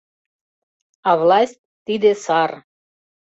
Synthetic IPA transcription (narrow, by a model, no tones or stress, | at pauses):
ɑvlɑsʲtʲt̪id̪esɑr